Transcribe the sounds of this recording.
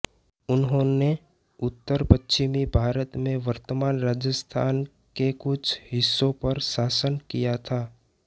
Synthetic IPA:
ʊnɦõne | ʊt̪ːəɾpət͡ʃːʃɪmibʱaːɾət̪mẽʋəɾt̪əmaːnɾaːd͡ʒəst̪ʰaːn | kekʊt͡ʃʰɦɪsːõpɐɾsaːsənkijat̪ʰaː

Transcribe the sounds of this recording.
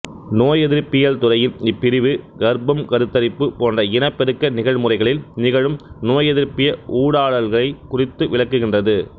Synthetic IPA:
noːjɛðɪɾpːɪjɐlt̪ʊrɐjɪlɪpːɪɾɪʋɯɡɐɾbɐmkɐɾɯt̪ːɐɾɪpːɯpoːndrɐɪnɐpːɛɾɯkːɐnɪɣɐɻmɯrɐɪɣɐɭɪlnɪɣɐɻɯmnoːjɛðɪɾpɪjɐuːɽaːɭɐlɣɐɭɐɪkʊrɪt̪ːɯʋɪɭɐkːɯɣɪndrɐðɯ

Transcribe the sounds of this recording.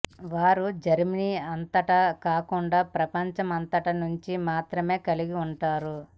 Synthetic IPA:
ʋaːɾud͡ʒɐɾminiɐnt̪ɐʈɐkaːkuɳɖaːpɾɐpɐɲt͡ʃɐmɐnt̪ɐʈɐnuɲt͡ʃimaːt̪ɾɐme̞ːkɐliɡiuɳʈaːɾu

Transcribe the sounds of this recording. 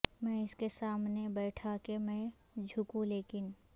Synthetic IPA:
mɛ̃ːɪskesaːmnebɛːʈʰakemɛ̃ | d͡ʒʱʊkũleːkɪn

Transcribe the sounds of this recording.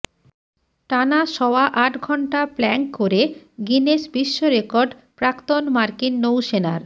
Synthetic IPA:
ʈanaʃɔoaʔaʈɡʱɔɳʈaplɛŋkoɾeɡineʃbiʃːoɾekoɾɖpɾakt̪onmaɾkinːowʃena̰ɾ

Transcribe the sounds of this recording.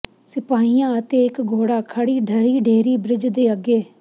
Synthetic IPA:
sɪpaːiːjãːət̪eːɪkɡʱoːɽaːkʰəɽiːɖʱəɾiːɖʱeːɾiːbɾɪd͡ʒd̪eːəɡeː

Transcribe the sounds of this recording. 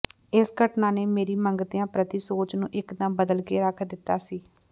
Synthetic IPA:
ɪsɡəʈnãːneːmeːɾiːməŋɡt̪ɪjãːpɾət̪isoːt͡ʃnũːʔɪkd̪ãːbəd̪əlkeːɾəkʰd̪ɪt̪ːaːsiː

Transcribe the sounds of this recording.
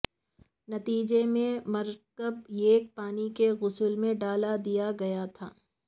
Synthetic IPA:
nɐt̪iːd͡ʒemẽmɐɾkəbjeːk̚paːnikeɣʊsʊlmẽɖaːlad̪ijaɡɐjat̪ʰaː

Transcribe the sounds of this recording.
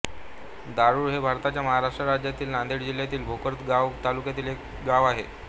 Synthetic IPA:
d̪aɾuːɾɦebʱaɾt̪at͡ɕjaməɦaɾaʂʈɾaɾad͡ʑjat̪iːlnand̪eɽd͡ʑil̤jat̪iːlbʱokəɾt̪ɡaʋt̪alukjat̪iːlɦek | ɡaʋaɦḛ

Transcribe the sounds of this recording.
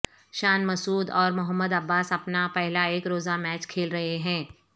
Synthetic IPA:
ʃaːnmɐsuːd̪ɔːɾmʊɦəmːəd̪ɐbːaːsɐpnapɛɦlaeːkɾoːzamɛːt͡ʃkʰeːlɾɐɦeɦɛ̃ː

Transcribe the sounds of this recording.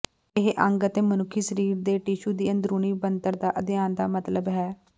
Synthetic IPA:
ɪɦʔə̃ŋɡət̪eːmənʊkʰːiːsəɾiːɾd̪eːʈiːʃuːd̪iːənd̪ɾuːniːbənt̪əɾd̪aːʔəd̪ɪjaːnd̪aːmət̪ləbɦɛː

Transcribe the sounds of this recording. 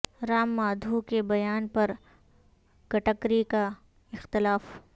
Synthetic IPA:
ɾaːmːaːd̪ʱukebɐjaːnpɐɾ | ɡ̥ɐʈəkɾika | ɪxt̪ɪlaːf

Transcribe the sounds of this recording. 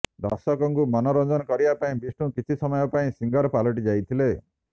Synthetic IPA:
d̪a̰sɔkɔŋkumɔnɔɾɔnd͡ʒɔnɔkɔɾibapaĩbisʈũkit͡ʃʰisɔmɔjɔpaĩsiŋɡɔɾpalɔʈ̬id͡ʒajt̪ʰile

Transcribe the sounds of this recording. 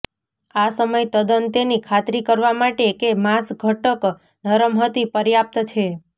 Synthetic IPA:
asəməjt̪əd̪ənt̪enikʰat̪ɾikəɾʋamaʈekemasɡʱəʈək | nəɾəmɦət̪ipəɾjap̚t̪t͡ʃʰe

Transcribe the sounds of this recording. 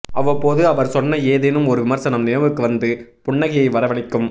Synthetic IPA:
ʔɐʋɐpːoːðɯɐʋɐɾsɔnːɐeːðeːnɯmɔɾɯʋɪmɐɾsɐnɐmnɪnɐʋɯkːɯʋɐnd̪ɯpʊɳːɐɣɪjɐɪʋɐɾɐʋɐɭɪkːɯm

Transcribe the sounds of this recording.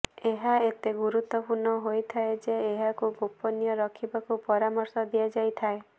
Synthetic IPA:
eɦaet̪eɡuɾut̪ɔpunɔɦojt̪ʰaed͡ʒeːɦakuɡopɔnijɔɾɔkʰibakupɔɾamɔɾsɔd̪iad͡ʒajt̪ʰae

